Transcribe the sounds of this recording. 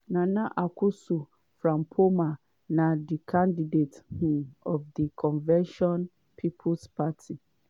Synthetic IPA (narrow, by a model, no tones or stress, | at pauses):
nãnãʔakʰʊsu | fɾãmpʰomã | nãdikʰãndidethũɔfdikʰɔ̃nvɛ̃nʃɔ̃n | pʰipʰʊspʰatʰi